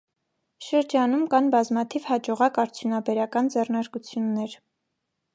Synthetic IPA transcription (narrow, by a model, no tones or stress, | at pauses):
ʃəɾd͡ʒɑnumkɑnbɑzmɑt̪ʰivhɑd͡ʒɔʁɑkɑɾt͡sʰjunɑbɛɾɑkɑnd͡zɛrnɑɾkut͡sʰjunːɛɾ